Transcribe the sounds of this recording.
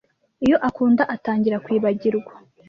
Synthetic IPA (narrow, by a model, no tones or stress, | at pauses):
ijo̞ʔakuːndaʔataːɲɟiɾakwiːβaɟiɾɡwḁ